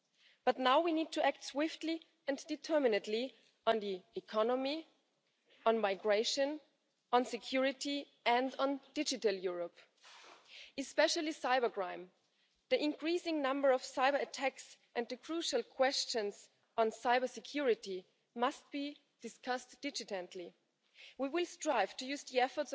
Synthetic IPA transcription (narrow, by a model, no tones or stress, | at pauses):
b̥ʌtⁿnaʊwiniːd̚tʰuʔæk̚tswɪftli | ɨ̃nd̥ɨtʰɜ˞mɪnɨtˡli | ə̃nðiɪkʰɑnəmi | ə̃nmaɪɡɹeɪʃɨ̃n | ə̃nsɨkʰj̥uɹɪti | ɨ̃nd̃ndɪd͡ʒɨtəl̩ˠjʊɹəp | ɨspɛʃəlˠisaɪbə˞ɡɹãɪ̃m | ðiʔɪ̃nkʰɹ̥isɪ̃ŋnʌ̃mbə˞ʌv̥saɪbə˞ɨtʰæks | ʔɨ̃nðɨkʰɹ̥uʃəl̩ˠkʰw̥ɛst͡ʃɨ̃nz | ɔ̃nsaɪbə˞sɨkʰj̥uɹɪti | mʌst̚b̥i | d̥ɨskʰʌstd̥ɪd͡ʒɨtɨ̃ntʰli | wiwɪlˠstɹ̥aɪv̥tʰɨjʉzðiɛfə˞ts